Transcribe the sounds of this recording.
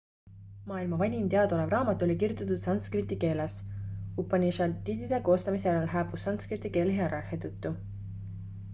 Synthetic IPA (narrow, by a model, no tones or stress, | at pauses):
mɑːilmɑvɑnʲint̪eɑd̪olevrɑːmɑt̪ːˑolʲikirjut̪ːˑɑt̪ut̪sɑnskrit̪ːike̞ːlesupːˑɑnʲiʃɑt̪id̪id̪̥e̞ko̞ːst̪ɑmiseæɾɑlɦæːpusːɑnskrit̪ːˑike̞ːleɦeɑɾɑhet̪ɤt̪ːu